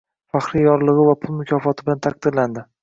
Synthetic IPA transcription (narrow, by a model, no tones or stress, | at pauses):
faχɾijjɒɾlˠɨʁɨvapʰʊlˠmʊkʲʰɒfɒt̪ʰɪbɪlant̪ʰaq̚d̪ɪɾland̪ɪ